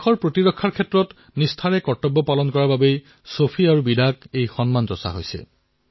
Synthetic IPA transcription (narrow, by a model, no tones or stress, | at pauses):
kʰɔɹpɹotiɹɔkʰːaɹkʰetːɹɔt | nistʰaɹɛkɔtɔbːɔpalɔnkɔɹaɹbabej | sopʰiaɹubidʱak̚ejxɔnmantɔsa̰ɦo̰jsɛ̰